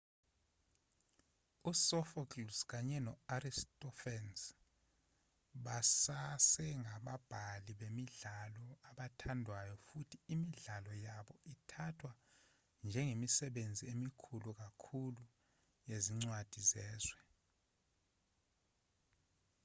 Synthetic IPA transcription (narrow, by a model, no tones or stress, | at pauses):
usɔfɔklusk̬aɲɛnɔaɾistʼɔfɛns | ɓasasɛŋaɓab̥ʱaliɓemiɮalɔaɓatʰandʱwajɔfutʰiːmiɮalɔjaɓɔitʰatʰwa | nd͡ʒʱɛŋemisɛɓend͡zʱiemikʰuluk̬akʰulu | jeziŋ͡ǀwad̥ʱizɛːzwɛ